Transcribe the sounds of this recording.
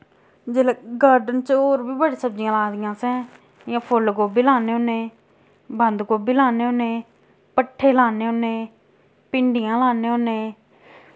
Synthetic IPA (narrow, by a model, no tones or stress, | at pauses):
d͡ʒeːlɡaːɾɖənt͡ʃoːɾbʱiːbəɽiːsəb̚d͡ʒɪjãːlaːd̪ɪjãːsɛ̃ː | jãːpʰʊlkoːbiːlaːneːʊnẽː | bənd̪koːbiːlaːneːonẽː | pəʈʰːeːlaːneːʊnẽː | pɪɳɖɪjãːlaːneːʊneː